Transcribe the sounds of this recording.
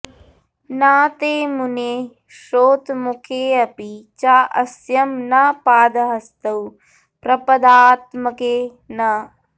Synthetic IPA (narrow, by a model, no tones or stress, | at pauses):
naːt̪eːmuneː | ʃoːt̪mukʰeːɐpit͡ʃaːʔɐsjɐmnɐpaːd̪ɐɦɐst̪ɐw | pɾɐpɐd̪aːt̪mɐkeː | nɐ